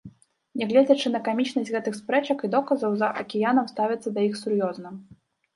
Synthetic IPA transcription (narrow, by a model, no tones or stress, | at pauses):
nʲɛɣlʲɛd͡zʲɐt͡ʂɨn̪ɐkamʲit͡ʂnɐsʲɣɛt̪ɨxspɾɛt͡ʂɐkid̪ɔkɐzɐwzɐʔɐkʲɛjanɐmst̪avʲɛt̪sːɐd̪ɐjixsuɾjɔznɐ